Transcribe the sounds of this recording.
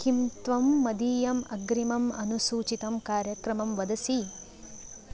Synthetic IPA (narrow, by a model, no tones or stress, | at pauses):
kʰimt̪ʋɐmːɐd̪iːjɐmɐɡɾimɐmɐnusuːt͡ʃit̪ɐmkaːɾjɐkɾɐmɐmʋɐd̪ɐsi